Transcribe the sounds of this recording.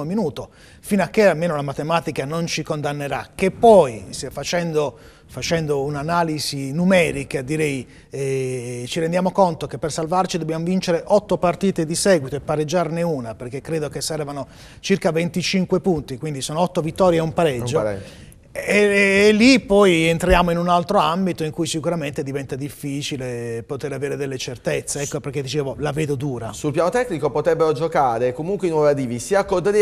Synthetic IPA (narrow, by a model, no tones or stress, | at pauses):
ominuːt̪o | finoakːealmeːnolamat̪emaːt̪ikanont͡ʃikond̪anːeɾak̟epːɔjsiafat͡ʃɛnd̪o | fat͡ʃɛnd̪ounanaːlizinumɛːɾikad̪iɾɛj | ɛt͡ʃiɾend̪jaːmokont̪ok̟epːersalvart͡ʃid̪obːjamovint͡ʃeɾeʔɔt̪ːopart̪iːt̪ed̪isɛɡwit̪oepːaɾed͡ʒːarneuːnaperk̟ekːɾeːd̪okesːɛrvano | t͡ʃirkavent̪it͡ʃiŋkwepunt̪ikwind̪isoːnoɔt̪ːovit̪ːɔːɾjaɛumpaɾɛd͡ʒːo | eːlːipːɔjent̪ɾjaːmoinunalt̪ɾoambit̪oiŋkujsikuɾament̪ed̪ivɛnt̪ad̪ifːiːt͡ʃilepot̪eɾaveːɾed̪elːet͡ʃert̪et̪sːeɛkːoperk̟ed̪ːit͡ʃeːvolaveːd̪od̪uːɾasulpjanot̪ɛkːnikopot̪ɾɛbːeɾod͡ʒokaːɾekomuŋkweinwɔvad̪iːvisiakːod̪ɾ